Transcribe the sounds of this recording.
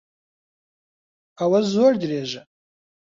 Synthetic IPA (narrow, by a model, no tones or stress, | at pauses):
awazordreʒa